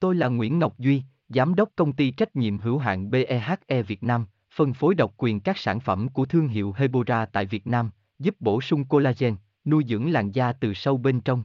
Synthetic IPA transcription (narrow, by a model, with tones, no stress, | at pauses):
t̪o˧jlaː˨˩ŋwḭ˧˥ənŋə˨˩wk͡p̚zwi˧ | zaː˨˦mɗə˦˥wk͡p̚kə˧wŋ͡mt̪i˧t͡ɕa˦˥jk̟̚ɲḭ˧˨əmɦɨ̰˧˩əwɦa̰ː˧˨nɓe˧ʔɛ˧ɦaː˦˥t̚ʔɛ˧vi˨˩ət̚naː˧m | fə˨˩nfo˨˦jɗə˨˩wk͡p̚kwi˨˩ənkaː˦˥k̚saː˧˩nfə˧˩mku˧˩ət̪ʰɨ˧əŋɦḭ˧˨wɦe˧ɓo˧zaː˧t̪a̰ː˧˨jvi˨˩ət̚naː˧m | zu˦˥p̚ɓo˧˩sʊ˧ŋ͡mko˧laː˧zɛ˧n | nu˧jzɨ̰˧˥əŋla̰ː˧˨ŋzaː˧t̪ɨ˨˩sə˧wɓe˧nt͡ɕə˧wŋ͡m